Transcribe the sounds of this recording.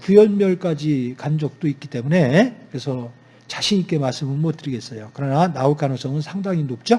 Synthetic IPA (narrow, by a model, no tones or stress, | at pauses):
kujʌnmjʌɭk͈ad͡ʑikand͡ʑʌk̚t͈oik͈it͈e̞mune̞kɯɾe̞sʰʌ | t͡ɕaɕʰiɲik͈e̞maɭs͈ɯmɯɭmʌt͈ɯɾiɡe̞s͈ʌjokɯɾʌnanaok͈anɯŋs͈ʌŋɯnsʰaŋdaŋinop̚t͡ɕ͈o